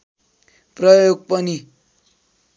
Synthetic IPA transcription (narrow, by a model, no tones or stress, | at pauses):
prʌjoɡ̚pʌni